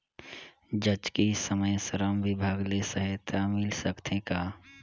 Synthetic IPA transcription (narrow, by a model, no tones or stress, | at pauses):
d͡ʒət͡ʃkisəməjsəɾəmʋɪbʱaːɡlesəɦət̪ʰamɪlsəkt̪ʰẽkaː